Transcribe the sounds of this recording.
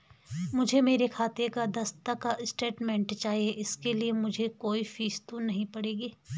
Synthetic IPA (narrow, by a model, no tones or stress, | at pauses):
mʊd͡ʒʱemeːɾekʰaːt̪ekad̪ɐst̪akaʔsʈeːʈmɛ̃ːɳʈt͡ʃaːɦieʔɪskeliemʊd͡ʒʱekoːifiːst̪ũnɐɦĩpɐɽeːɡiː